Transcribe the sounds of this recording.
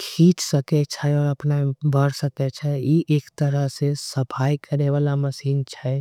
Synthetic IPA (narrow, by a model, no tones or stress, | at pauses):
kʰiːt͡ʃsɐket͡ʃʰaɔːɾɐpnabʱəɽsəket͡ʃʰajeʔeːkt̪ɐɾəɦsesɐpʰaːjkɐɾeʋaːlamɐsiːnt͡ʃʰa